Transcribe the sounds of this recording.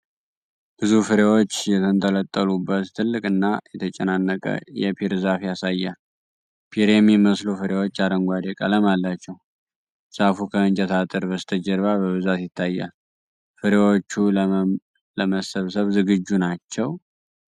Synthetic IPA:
b̥ɨzufɨɾewo̞t͡ʃːjɛt̪ʰənt̪ʰʼələt̪ʼːəlubːət̪t̪ʰːɨlːɨkʼɨnːajɛt̪ʰət͡ʃʼɛnanːəkʼə̰jɛpʰiɾzafjasajːal | pʰiɾemjiməslofɨɾewo̞t͡ʃːaɾəŋɡʷad̪ekʼələmalːat͡ʃːɛw | z̥afukʰəɨnt͡ʃʼɛt̪ʰat̪ʼɨɾbəst̪ʰəd͡ʒəɾβabəβɨzat̪jɪt̪ʰːajːa̰l | fɨɾewo̞t͡ʃːu | ləməsəβsəβzɨɡɨd͡ʒːunat͡ʃːɛw

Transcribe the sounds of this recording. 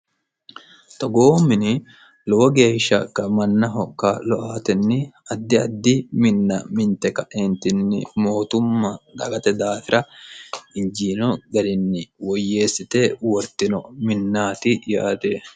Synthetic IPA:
t̪ɔɡo̞ːmɪnɪ | lɔwɔɡe̞ːʃːɐkːɐmɐnːɐɦɔkːalɔʔaːt̪ɛnːɪɐd̪ːɪɐd̪ːɪmɪnːɐmɪnt̪ɛkɐʔent̪ɪnːɪ̰mo̞ːt̪ʊmːɐᶑ̪ɐɡɐt̪ɛd̪aːfɪɾɐ | ɪɲd͡ʒiːnɔɡɐɾɪnːɪwɔjːe̞ːsːɪt̪eːwɔɾt̪ɪnɔmɪnːaːt̪ɪja̰ːt̪e

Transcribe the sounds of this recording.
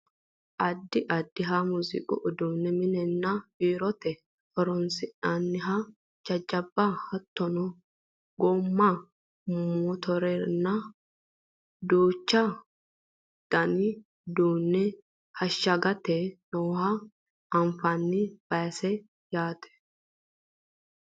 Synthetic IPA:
ʔɐd̪ːɪʔɐd̪ːɪɦamuzɪ̰kʼʊ̰ʔɔd̪uːnːɛmɪnɛnːabiːɾɔt̪ɛ | ʔɔɾɔnsɪʔɐnːɪɦa | d͡ʒɐd͡ʒːɐbːahɐt̪ːɔnɔ | ɡomːa | mɔt̪ʰɔɾɛnːɐ | d̪oːt͡ʃːɐ | d̪̥ɐnɪ | d̪uːnːɛ | hɐʃːɐɡɐt̪ɛnoːhɐ | ɐmfɐnːɪb̥ɐjsɛ | jaːt̪ɛ̥

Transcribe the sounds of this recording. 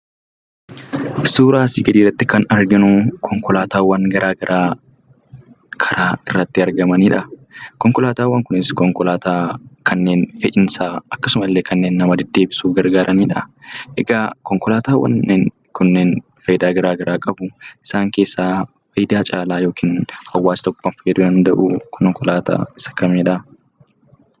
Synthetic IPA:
suːɾaːsiːɡɐd̪iːrːɐt̪ːɪkɐnɐɾɡɪnʊkʰɔŋkɔlaːt̪aːwɐnɡɐɾʔaːɡɐɾʔaː | kʰɐɾaːɪrːɐt̪ːɪɐɾɡɐmɐniːᶑɐkɔŋkɔlaːt̪aːwːɐŋkʊnɪskɔŋkɔlaːt̪aːkʰɐnːeːnfɛʔɪnsaːɐkːɐsʊmɐlːeːkɐnːeːnːɐmɐd̪ɛd̪ːe̞ːbɪsuːɡɐɾɡaːɾʔɐniːᶑɐʔɛɡaːkɔŋkɔlaːt̪aːwɐ̰nːeŋ | kʊnːen | fɐjɪd̪aːɡɐɾaːɡɐɾaːkʼɐbʊɪ̥saːŋke̞ːsːaː | fɐjd̪aːt͡ʃʼaːlaːjoːkiːnhɐwːaːsɪ̥t̪ɔkːʊ̥kɐnfɐjɛd̪ʊd̪ɐnd̪ɐʔukʰɔŋkɔlaːt̪a̰ːɪsɐ̥kɐmeːᶑɐ

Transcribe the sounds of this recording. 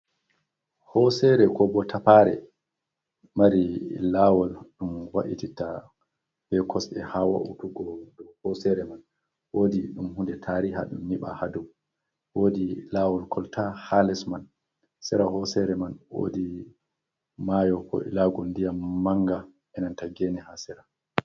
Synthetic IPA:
hɔsɛɾɛkɔbɔtʰapaɾɛ̰ | maɾilawɔlɗumwa̰ʔitita | b̥ɛkʰɔsɗɛ̰hawa̰ʔṵtuɡɔdɔwhɔsɛɾɛman | woːdiɗumhundɛtʰaɾiɦa̰ɗumniɓa̰haduw | wodilawɔlkʰɔltʰahalɛsman | sɛɾahɔsɛɾɛmanwo̰di | majɔkɔ̰ḭlaɡɔndijamːaŋɡa | ʔɛnantaɡɛnihasɛɾa

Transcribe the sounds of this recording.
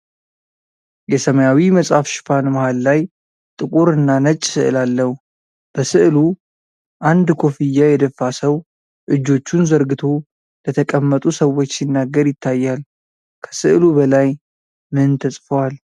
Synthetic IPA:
jɛsəməjawiməsʼhafʃɪ̥fanməhalːaj | t̪ʼɨkʼuɾɨnːanət͡ʃʼːsɨʔɨlalːəhu | b̥əsɨʔlu | ʔand̪kʰo̞fijːajɛd̪əfːasəw | ʔɨd͡ʒːo̞t͡ʃːunzəɾɡɨt̪ʰo̞ | lət̪ʰəkʼəmːət̪ʼusəwːo̞t͡ʃːsinːaɡːəɾjɪt̪ʰːajːal | kʰə̥sɨʔlubəlaj | mɨnt̪ʰəsʼfəwal

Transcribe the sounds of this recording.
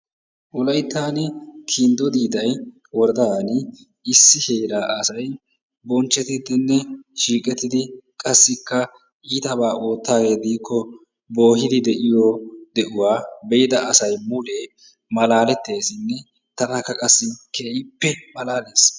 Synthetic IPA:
ʔʊlɐjt̪ːaːnɛkʰind̪ɔd̪iːd̪ɐj | wɔɾd̪ɐanɪ | ɪsːɪhe̞ːɾaːʔɐsɐj | bɔnt͡ʃːɛt̪ɪd̪ɪnːɛʃiːkʼɛt̪ːɪd̪ɪkʼɐsːɪkːɐ | ʔiːt̪ɐbaːʔoːt̪ːaːɡe̞ːd̪iːkʰːɔ | bo̞ːɦɪd̪ɪd̪ɛʔɪjɔd̪ɛʔʊwaːbɛɪd̪ɐʔɐsɐjmʊleː | mɐlaːlɛt̪ːe̞ːsɪnːɛ | t̪ɐnɐkːɐkʼɐsːɪkʰeːjɪpːɛmɐlaːle̞ːs

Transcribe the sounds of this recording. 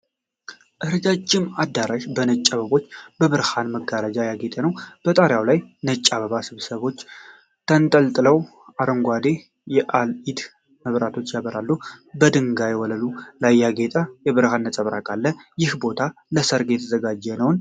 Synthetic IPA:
ʔɨɾɨd͡ʒad͡ʒːɪmad̪ːaɾaʃbənət͡ʃʼːaβəβo̞t͡ʃːb̥əβɨɾhanməɡaɾad͡ʒajaɡet̪ʼənəwb̥ət̪ʼaɾjawlajnət͡ʃʼːaβəβasɨβsəβo̞t͡ʃː | t̪ʰənt̪ʼəlt̪ʼɨləw | ʔaɾəŋɡʷad̪e̞ | jɛʔalid̪ | məβɾat̪ʰo̞t͡ʃːjaβəɾalːubəd̪ɨŋɡajwɔləlulajːaɡet̪ʼəjɛβɨɾhanːət͡sʼəβɾa̰kʼalːəjɪhbo̞t̪ʰaləsəɾɡjɛt̪ʰəzəɡad͡ʒːɛnəwn

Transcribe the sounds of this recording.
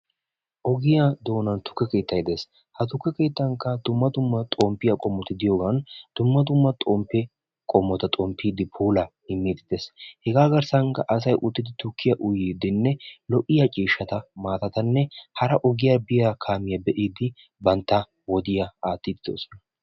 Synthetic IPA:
ʔɔɡɪjad̪o̞ːnɐnt̪ʊ̥kːɛke̞ːt̪ʰːɐjd̪eːs | hɐt̪ʊkːɛkeːt̪ːɐŋkːɐd̪ʊmːɐd̪ʊmːɐt̪ʼɔːmpːɪjɐkʼɔmːɔt̪ɪd̪ɪjoːɡɐnd̪̥ʊmːɐd̪ʊmːɐt̪ʼɔmpːɛ | kʼɔmːɔt̪ɐt̪ʼɔmpːiːd̪ɪpʰuːlɐhɪmːiːd̪ɪd̪eshɛɡaːɡɐɾsɐŋkɐ̰ʔɐs̬ɐjʔʊt̪ːɪd̪ɪt̪ʊkʰːɪjɐʔʊjiːd̪ɪnːɛlɔʔɪjɐt͡ʃʼiːʃːɐt̪ɐmaːt̪ɐt̪ɐnːɛhɐɾɐʔɔɡɪjabɪjakʰaːmɪjɐbɛʔiːd̪ɪ | bɐnt̪ːɐ | wɔd̪ɪjɐaːt̪ːiːd̪ɪd̪o̰ːsɔ̥nɐ

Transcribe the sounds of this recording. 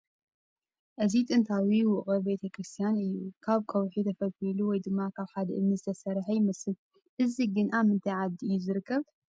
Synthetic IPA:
ʔɨzit̪ʼɨnt̪ʰawiwʊʔχʼɐbe̞t̪ʰɐkʰɾɨst̪ʰijanɨjːukʰaβkʰɐwħit̪ʰɐfɐliluwɔjd̪ɨmːakʰaβħad̪ɐʔɨmnɨzɨt̪ʰɐsɐɾħɐjmɐsɨl | ʔɨziɡɨnʔamɨnt̪ʰɐjʕad̪iɨjːuzɨɾɨkʰːɐβ

